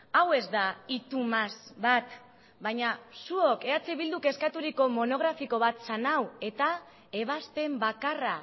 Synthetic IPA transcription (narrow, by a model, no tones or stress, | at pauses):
awe̞zd̪ait̪umazbat̪ | bajɲasuo̞ke̞at͡siβild̪uke̞skat̪uɾiko̞mo̞no̞ɣ̞ɾafiko̞β̞at̪sanawe̞t̪a | e̞β̞ast̪e̞mbakara